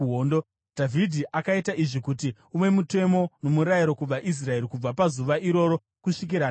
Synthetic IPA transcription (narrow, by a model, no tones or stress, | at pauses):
ondo | d̥ʱavʱidʱiʔakaitaʔiʐikuti | ume̞mute̞mo̞no̞muɾajiɾo̞kub͡vaʔis̬rae̞ɾikub͡vapazuʋaʔiɾo̞ɾo̞ | kuʂik̬iɾaː